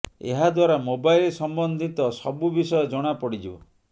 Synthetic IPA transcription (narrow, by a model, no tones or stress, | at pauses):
ḛɦad̪waɾamobailsɔmbɔnd̪ʱit̪ɔsɔbubisɔjɔd͡ʒɔɽ̃apɔɽid͡ʒibɔ̰